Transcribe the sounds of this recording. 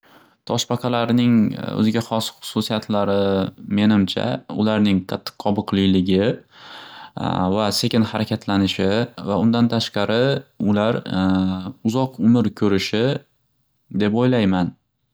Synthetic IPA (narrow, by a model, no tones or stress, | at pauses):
t̪ʰɒʃpɑqʰɑlaɾnɪŋɵ̰zɪɡʲaχɒsχʊ̥susijat̪ʰlaɾɪme̞nɪmt͡ʃʰa̰ʊlaɾnɪŋqʰɑt̪ʰːɨ̥qːʰɒbɨqlɪjlɪɡʲɪ | vase̞kʲɪnhaɾakʲʰat̪ʰlanɪʃɪvaʊnd̪ant̪ʰaʃqɑɾɪʊlaɾ | ʊzɒqʊmɪɾkʲʰɵɾɪʃɪ | d̪e̞pojlajman